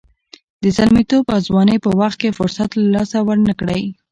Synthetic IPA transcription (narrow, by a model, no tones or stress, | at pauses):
d̪əsalmit̪obawzwɑnəjpəwaxt̪̚kefʊɾsat̪lalɑsawəɾnəkɽəj